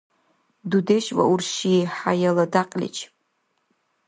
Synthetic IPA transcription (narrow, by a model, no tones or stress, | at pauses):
dudeʃwa̰urʃiħajaladaqʼlʲɪ̰t͡ʃʰʼ